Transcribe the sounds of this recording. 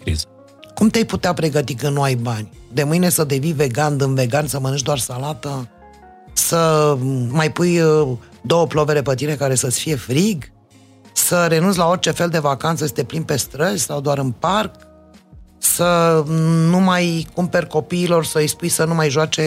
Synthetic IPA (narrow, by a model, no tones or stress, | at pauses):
kɾḭz | kumt̪eejput̪eapɾe̞ɡət̪ikɨnnuajbanʲd̪e̞mɨjnesəd̪e̞vinve̞ɡand̪ɨnve̞ɡansəmənɨnt͡ʃd̪oarsalat̪ə | sə | majpuj | d̪o̞wəplove̞le̞pət̪iɾe̞kaɾe̞səsfije̞fɾiɡ | səɾe̞nunts̬ʲlao̞rt͡ʃe̞fe̞ld̪e̞vakant̪səjest̪e̞plinpe̞st̪ɾəzʲsawd̪oaɾɨnpark̚ | sə | numajkumpe̞rʲko̞piːlo̞rsəɨjspujsənumajʒoat͡ʃe̞